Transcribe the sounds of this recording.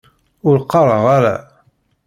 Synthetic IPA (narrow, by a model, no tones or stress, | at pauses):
ʊɾqːɑɾˤəʁaɾa̰